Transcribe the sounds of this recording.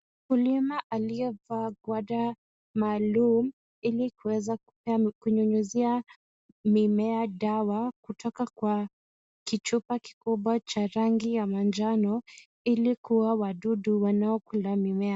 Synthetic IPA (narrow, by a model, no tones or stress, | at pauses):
kulimaʔaliɛvaɡwaɗa | maːlum̩ | ilikuwɛzaku̥pɛakuɲuɲuzia | mimɛaɗawakutʰɔkakwa | kit͡ʃupaki̥kuɓwat͡ʃaɾaŋɡijamand͡ʒanɔ | ilikuwawaɗuɗuwanaɔkulamimɛa